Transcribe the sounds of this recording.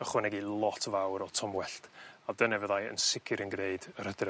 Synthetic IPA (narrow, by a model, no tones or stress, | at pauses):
əχwɛnɛɡilˠɔtʰvawɾɔtʰɔmwɛɬtadənɛvəðajə̰nsɪkʰɪɾənɡneɨdəɾədrə